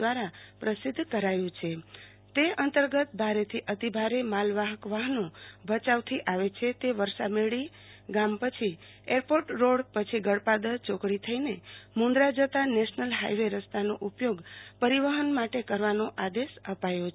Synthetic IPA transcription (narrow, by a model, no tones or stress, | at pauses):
aɾapɾəsɪd̪ʱːkəɾajũt͡ʃʰe | t̪eənt̪əɾɡət̪̚bʱaɾet̪ʰiʔət̪ibʱaɾemalʋaɦəkʋaɦnõbʱət͡ʃaʋt̪ʰiʔaʋet͡ʃʰet̪eʋəɾʃameɭi | ɡampət͡ʃʰi | eɾpoʈɾoɽpət͡ʃʰiɡəɽpad̪ət͡ʃokɽit̪ʰəinemũnd̪ɾad͡ʒət̪aneʃnəlɦa̰jʋeɾəst̪ʰanoʔupjoɡpəɾiʋəɦənmaʈekəɾʋanoʔad̪eʃəpajo